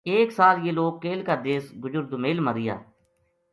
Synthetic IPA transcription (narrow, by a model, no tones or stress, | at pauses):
eːksaːljeːloːɡ̚ːeːlkaːd̪eːsɡʊzʊɾd̪ʊmeːlmaɾɪja̰ː